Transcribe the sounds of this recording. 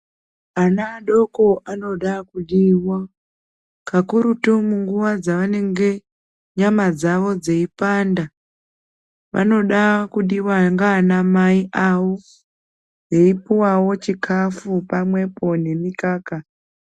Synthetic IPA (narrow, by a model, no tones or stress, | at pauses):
anaɗo̞ko̞ʔano̞ɗakuɗiwa | kakuɾutumuŋɡuʋad͡zaʋane̞ŋɡe̞ | ɲamad͡zaʋo̞d͡zeipanda | ʋʔa̰no̞ɗakuɗiwaŋɡaːnamaiʔawo | je̞ipuwawo̞t͡ʃikʰafupamwe̞po̞ne̞mikaːka